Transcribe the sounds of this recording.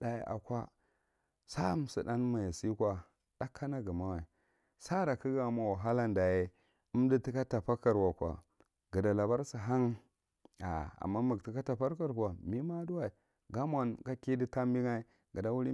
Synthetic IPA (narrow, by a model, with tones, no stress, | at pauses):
da˨jḛ˨ʔa̰˨kʷa˦ | sa˦m˨si˨da˦n˦ma˨ja˨si˦kʷa˨ | d̥a˦kʰːa˦na˦ɡə˨ma˦wa˨i˨ | sa˦ɾa˨ki˦ɡa˨ma˨wa˨ɦa˦la˦nda˨je˦ | u˦mdi˦ti˦ka˦ta˨pa˦ka˨ɾwa˨kʷa̰˨ | ɡa˨da˨la˨ba˦ɾsi˨ɦa˦ŋ˦ | a̰˨a̰˨mːa˦mu˨ɡti˨ka˦ta˨pa˦ɾka˦ɾkʷa˨mi˦ma˦du˦wa˨i˨ | ɡa˦mʷ˦a˨nɡa˦ki˦di˦ta˦mbi˦ŋa˦i˦ | ɡa˨da˦wu˦ɾi˦